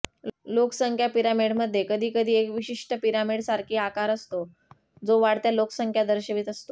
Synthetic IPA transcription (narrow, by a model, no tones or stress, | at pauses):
loksəŋkʰjapiɾamiɽməd̪ʱːjekəd̪ʱiːkəd̪ʱiːekʋiɕiʂʈəpiɾamiɽsaɾkʰiːakaɾəst̪o | d͡zoʋaɽt̪jaloksəŋkʰjad̪əɾɕəʋiːt̪əst̪o